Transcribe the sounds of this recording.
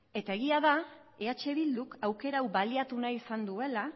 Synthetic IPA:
e̞t̪ae̞ɣ̞iaða | eat͡ʃe̞βild̪ukawke̞ɾawβaliat̪unaisand̪ue̞la

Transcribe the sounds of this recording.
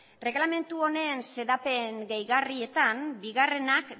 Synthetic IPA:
re̞ɣlame̞nt̪uo̞ne̞nse̞ðape̞ŋɡejɣarie̞t̪anbiɣare̞nak

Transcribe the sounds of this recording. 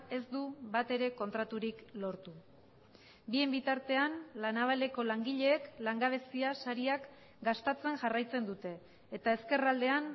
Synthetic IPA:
e̞zd̪uβat̪e̞ɾe̞ko̞nt̪ɾat̪uɾiklo̞ɾt̪u | bie̞mbit̪aɾt̪e̞anlanaβ̞ale̞ko̞laŋɡiʎe̞ːklaŋɡaβ̞e̞siasaɾiak | ɡast̪at͡se̞ŋʝarajt͡se̞nd̪ut̪e̞ː | t̪ae̞ske̞rald̪e̞an

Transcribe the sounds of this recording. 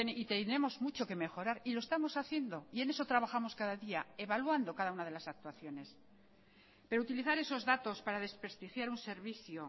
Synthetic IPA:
eit̪enɾe̞mo̞zmut͡ʃo̞ke̞me̞xo̞ɾaɾilo̞e̞st̪amo̞saθje̞nd̪o̞ie̞ne̞so̞t̪ɾaβaxamo̞skaðaðiae̞βalwand̪o̞kaðaunað̞e̞lasak̚t̪waθjo̞ne̞s | pe̞ɾout̪iliθaɾe̞so̞zðat̪o̞spaɾaðe̞spɾest̪ixjaɾunse̞ɾβiθjo

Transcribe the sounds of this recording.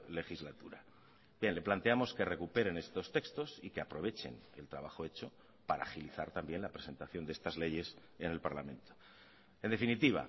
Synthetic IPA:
le̞xizlat̪uɾa | bje̞nle̞plant̪eamo̞ske̞re̞kupe̞ɾe̞ne̞st̪o̞st̪e̞kst̪o̞sike̞apɾo̞βe̞t͡ʃe̞̰nḛlt̪ɾaβ̞axo̞e̞t͡ʃo̞ | paɾa̰ːxiliθaɾt̪ambje̞nlapɾe̞se̞nt̪aθjond̪est̪azle̞ʝe̞s | ene̞lpaɾlamẽ̞nt̪o̥ | e̞nd̪efinit̪iβ̞a̰

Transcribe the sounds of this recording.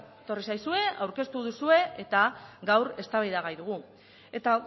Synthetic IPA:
t̪o̞risajsue̞awɾke̞st̪uð̞usue̞et̪aɡawɾe̞st̪aβajðaɣajðuɣ̞u | e̞t̪a

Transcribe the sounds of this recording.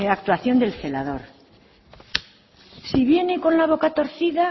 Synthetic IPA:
akt̪waθjo̞nd̪e̞lθe̞laðo̞ɾ | siβje̞neko̞nlaβ̞o̞kat̪o̞ɾθiða

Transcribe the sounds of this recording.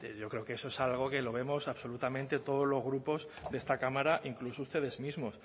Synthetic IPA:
eʝo̞kɾe̞okee̞soesalɣ̞o̞ke̞lo̞βe̞mo̞saβso̞lut̪amẽnt̪e̞t̪o̞ð̞o̞zlo̞zɣ̞ɾupo̞z | ðee̞st̪akamaɾaʔiŋklusoust̪e̞ðe̞zmizmo̞s

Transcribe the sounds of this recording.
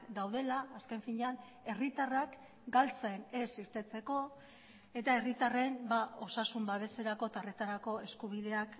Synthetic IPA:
d̪awðe̞laːske̞ɱfiɲean | e̞rit̪arak | ɡalt͡saene̞siɾt̪e̞t͡se̞ko̞ | e̞t̪ae̞rit̪are̞nbao̞sasumbaβe̞se̞ɾako̞t̪aret̪aɾako̞e̞skuβ̞iðe̞ak

